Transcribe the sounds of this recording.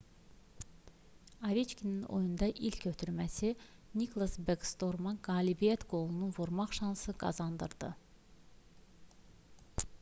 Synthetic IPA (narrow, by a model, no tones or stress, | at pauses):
ɑvit͡ʃkʲʰinino̞̰jund̪ɑʔilcʰøt̪ʰyɾmæsinikʰlˠɑsbeɡst̪o̞ɾmɑnɡɑːlibijæt̪ɡo̞lˠununvoɾmɑχʃɑnsɯɡɑ̰zɑnd̪ɯɾd̪̥ɯ